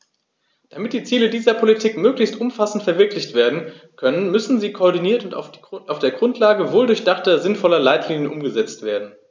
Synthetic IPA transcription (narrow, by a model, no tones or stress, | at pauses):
d̥amɪt̚d̥iːt͡siːlədiːzɐpʰolitʰiːkmøːklɪçstʔʊmfasn̩tfɛɐvɪɐklɪçtv̥eːɐdn̩ | kʰœnənmʏsn̩ziːkʰoːɐdiniːɐtʊnta̰aʊfd̥eːɐɡʁʊntʰlaːɡəvoːldʊɐçd̥aχtɐzɪnfɔlɐlaɪtʰliːnjənʔʊmɡəzɛt͡stv̥eːɐdn̩